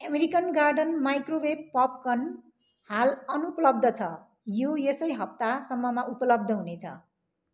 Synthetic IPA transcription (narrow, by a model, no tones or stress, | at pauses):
ʌmeɾikʌnɡarɖʌnmajkroweb̚pʌp̚kʌn | halʌnupʌlʌb̚d̪ʱʌt͡sʰʌ | jojesʌjɦʌp̚t̪asʌmːʌmaʔupʌlʌb̚d̪ʱʌɦunet͡sʰʌ̰